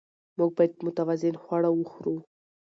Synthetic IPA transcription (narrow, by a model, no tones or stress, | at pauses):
muɡ̚bajd̪̚mʊt̪awazɪnxwaɽawuxɾu